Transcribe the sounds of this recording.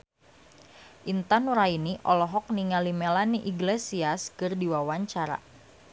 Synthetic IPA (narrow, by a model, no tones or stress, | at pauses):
ʔint̪anuɾainiʔɔlɔɦɔk̚niŋalimɛlaniʔiɡlesiaskɨrdiwawaɲt͡ʃaɾa̰